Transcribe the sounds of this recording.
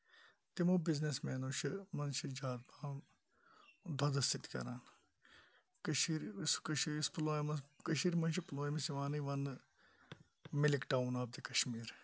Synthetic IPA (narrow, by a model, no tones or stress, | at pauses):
t̪imoːbɪznesmɛːnoːʃɐmɐnʃid͡ʒaːd̪̚baː | d̪ʱɐd̪ɐst̪it̪kʲɐ̰ɾaːn | kɐʃiːɾskɐʃisploːmɐkɐʃ̬iːɾmɐnʃiploːjmɐsiʋaːniʋɐn | mɪlikʈaːunaːb̚d̪ikɐʃmiːɾ